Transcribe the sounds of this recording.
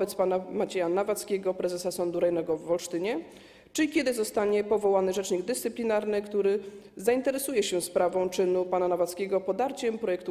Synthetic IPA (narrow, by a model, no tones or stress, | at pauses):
ɛt̪spanamat͡ɕɛjanavat̪skʲeɡɔpɾɛzɛsasɔnd̪uɾɛjnɛɡɔvːɔlʂt̪ɘɲɛ | t͡ʂɘlʲikʲɛd̪ɘzɔst̪aɲɛpɔvɔwanɘʐɛt͡ʂɲiɡd̪ɘst̪sɘplʲinaɾnɘkt̪uɾɘ | zaint̪ɛɾɛsujɛɕɛspɾavɔ̃w̃t͡ʂɘnupananavat̪skʲɛɡɔpɔd̪aɾt͡ɕɛmpɾɔjɛk̚t̪u